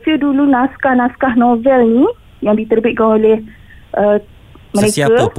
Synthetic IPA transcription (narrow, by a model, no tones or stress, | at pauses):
sədulunaskahnaskahnõvɛlnĩ | jaŋdit̪ərbit̪̚kanolɛh | ʔə | məɾekə